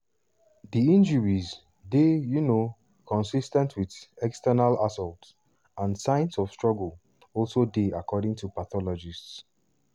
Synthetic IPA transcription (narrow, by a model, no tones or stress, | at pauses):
ðiĩnd͡ʒəɹiz | dejuno | kʰɔ̃nsistɛ̃ntʰwiðɛkstɛnalasɔlts | ãnsãɪj̃nsɔfstɹ̥ɔɡəl | ɔlˠsodeakʰɔdɪ̃ŋtupaθɔlɔd͡ʒists